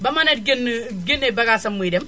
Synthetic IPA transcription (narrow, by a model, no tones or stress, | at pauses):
bamanedɡin | ɡinebaɡasɐmːidem